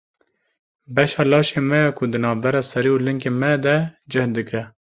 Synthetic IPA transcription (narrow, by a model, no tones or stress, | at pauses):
bɛʃɑːlɑːʃeːmɛjɛkʰʊd̪ɨnɑːvbɛɾɑːsɛɾiːulɨŋkeːmɛd̪ɛd͡ʒɨhd̪ɨkɛ